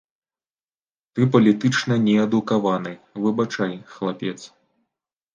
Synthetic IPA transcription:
t̪ɨpɐlʲit̪ɨt͡ʂnɐnʲɛɛd̪ukavanɨvɨbat͡ʂajxlˠapʲɛt̪s

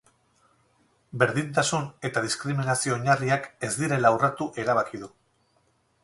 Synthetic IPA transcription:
be̞ɾðint̪asune̞t̪að̞iskɾiminasio̞ːɲariake̞zd̪iɾe̞lawrat̪uʔe̞ɾaβ̞akiðu

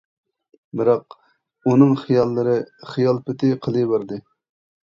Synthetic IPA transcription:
bɪɾɑq | unɨŋχijɑlˠːɨɾɨχijɑlˠpɪt̪ʰɪqʰəlˠɨbɪɾd̪ɨ

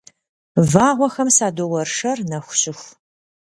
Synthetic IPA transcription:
vaːʁʷɔxɐmsaːdowɐrʂɐrnɐxʷʊɕɪxʷ

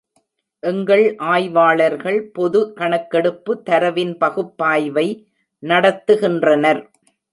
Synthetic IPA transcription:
ʔɛŋɡɐɭʔaːjʋaːɭɐɾɣɐɭpɔðɯkɐɳɐkːɛɽɯpːɯt̪ːɐɾɐʋɪnpɐɣɯpːaːjʋɐɪ | nɐɽɐt̪ːɯɣɪndrɐnɐɾ

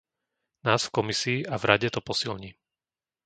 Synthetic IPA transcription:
naːsfkɔmisiːʔavɾʔaɟɛt̪ɔpɔsilɲiː

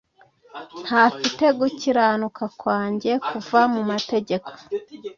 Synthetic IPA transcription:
n̥hafite̞ɡuciɾanukakwaːɲɟe̞kuvamumate̞ɟe̞kʰo̥

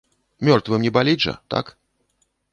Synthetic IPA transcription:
mʲɔrt̪vɨmnʲɛbalʲiʐɐ̰t̪a̰k

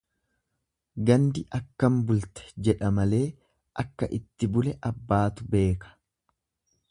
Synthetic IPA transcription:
ɡɐnd̪ɪʔɐkːɐmbʊlt̪ɛ̥d͡ʒɛᶑɐmɐle̞ː | ʔɐkːɐ̰ʔɪt̪ːɪbʊlɛʔɐbːaːt̪ʊbe̞ːkɐ̥

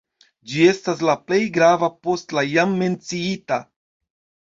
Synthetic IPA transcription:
d͡ʒie̞stas̬laple̞jɡɾavapo̞stlajamːe̞nt͡siita

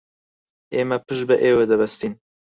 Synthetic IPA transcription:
eːmɛpɨʒbɨʔeːwed̪ɛbɛst̪iːn

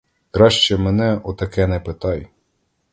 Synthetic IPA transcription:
kɾɑʃt͡ʃɛmɛnɛɔt̪ɐkɛnɛpet̪ɑj

